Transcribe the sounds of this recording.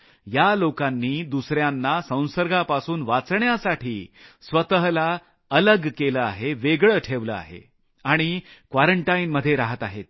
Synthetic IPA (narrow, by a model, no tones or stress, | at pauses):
jalokanːiːd̪usɾjanːasə̃w̃səɾɡʱapasuːnʋat͡sɳjasaʈʰiːsʋət̪əɦla | ələɡkeləa̰ɦeʋeɡɭəːʈʰeʋlə̰a̰ɦḛ | aɽ̃ikʋaɾəɳʈainməd̪ʱːjeɾaɦət̪aɦet̪̚